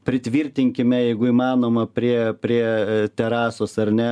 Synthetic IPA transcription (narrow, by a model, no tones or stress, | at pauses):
pʲɾʲɪt̪ʲʋʲiːrʲt̪ʲɪŋʲkʲɪmʲɛjɛɪɡʊiːmɑːnoːmɐpʲɾʲiɛpʲɾʲiɛt̪ʲɛɾɑːsoːsɐrnʲɛ